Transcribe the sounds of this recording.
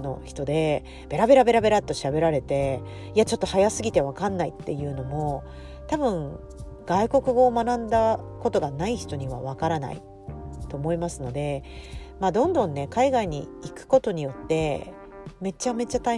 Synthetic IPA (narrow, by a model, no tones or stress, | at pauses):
no̞çi̥t̪o̞d̪e̞ | b̥e̞ɾabe̞ɾabe̞ɾabe̞ɾat̪ːo̞ɕabe̞ɾaɾe̞t̪e̞ | iat͡ɕo̞t̪ːo̞hajasɨɡʲit̪e̞β̞akãnːait̪ːe̞jɯ̟ːno̞mo̞ | t̪abɯ̟̃ŋ | ɡ̥aiko̞kɯ̟ɡo̞ːmanãnd̪ako̞t̪o̞ɡanaiçi̥t̪o̞ɲ̟iβ̞a̰β̞akaɾana̰ḭ | t̪o̞ːmo̞imasɨno̞d̪e̞maːd̪õ̞nd̪õ̞nːe̞kaiɡaiɲ̟ḭikɯ̟̥ko̞t̪o̞ɲ̟ijo̞t̪ːe̞ | me̞t͡ɕame̞t͡ɕat̪a